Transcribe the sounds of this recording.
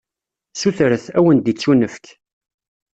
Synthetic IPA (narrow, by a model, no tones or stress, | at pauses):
suθɾəθæwənd̪it͡sːunəfk